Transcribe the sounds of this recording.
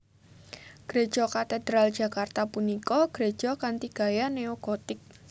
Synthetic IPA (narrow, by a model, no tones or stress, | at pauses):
ɡ̥ɾe̥d͡ʒ̥ɔkat̪ed̪ɾald̥ʒ̥a̤kart̪apunikɔɡ̥ɾe̥ʒ̥ɔkant̪iɡ̥a̤janeokɔt̪ɪk̚